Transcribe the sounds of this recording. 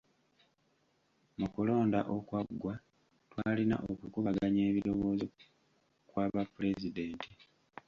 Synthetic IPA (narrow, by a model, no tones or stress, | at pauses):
mukulo̞ːnda̰ʔokwaɡːwa | twaːlina̰ʔokukuβaɡaɲe̞ːβilo̞βo̞ːzo | kwaːβapːule̞zide̞ːntʰi